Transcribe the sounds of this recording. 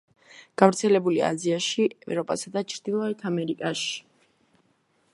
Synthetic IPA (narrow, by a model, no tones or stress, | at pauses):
ɡ̥avɾt̪sʰɛlɛbulia̰ziaʃiɛ̰vɾɔpʼasad̪at͡ʃʰɾd̪̥ilˠɔɛt̪ʰamɛɾikʼaʃi̥